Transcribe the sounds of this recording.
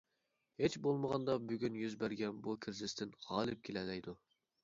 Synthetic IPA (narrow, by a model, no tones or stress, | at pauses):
het͡ʃbolˠməʁɑnd̪ɑbyɡʲynjyzbæɾɡʲɛnbukʲʰiɾzɪst̪ʰɪnʁɑːlˠɪp̚kʲʰelɛlɛjd̪u